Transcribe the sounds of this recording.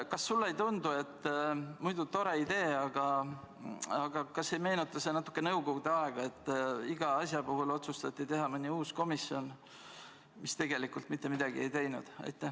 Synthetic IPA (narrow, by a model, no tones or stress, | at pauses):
kɑsːulːe̞jt̪und̪ue̞t̪ːmujd̪ut̪o̞ɾe̞id̪e̞ːɑɡ̥ɑ | ɑɡ̥ɑkɑsːe̞jme̞ːnut̪ːˑɑsenɑt̪ːˑu̥kːe̞nɤwɡo̞ɡud̪eɑe̞ɡ̥ɑe̞t̪ːiɡ̥ɑɑsjɑpuɦulo̞t̪sust̪ɑt̪ːit̪e̞ɦɑmɯnʲːiuːsko̞miso̞n | mist̪e̞ɡ̥e̞likult̪mit̪ːe̞mid̪̥ɑɡ̥ie̞jt̪e̞jnṵd̪̥ɑ̰jt̪ːˑæ